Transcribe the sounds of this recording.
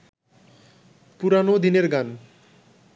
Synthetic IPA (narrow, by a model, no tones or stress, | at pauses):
puɾanod̪ineɾɡan